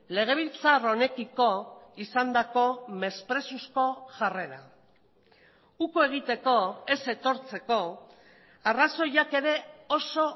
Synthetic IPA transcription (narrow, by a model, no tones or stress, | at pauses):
le̞ɣ̞e̞β̞ilt͡saro̞ne̞kiko̞isand̪ako̞me̞spɾe̞susko̞ʝare̞ɾa | ukoe̞ɣ̞it̪e̞ko̞e̞se̞t̪o̞ɾt͡se̞ko̞ | araso̞jake̞ɾe̞o̞so̞